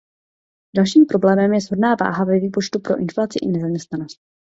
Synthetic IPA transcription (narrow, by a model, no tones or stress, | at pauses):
dalʃiːmpɾo̞blɛːmɛmjɛzɦodnaːva̰ːɦavɛviːpot͡ʃt̪upɾo̞ʔɪnflat͡sɪʔɪnɛzamɲɛst̪nano̞st̪̚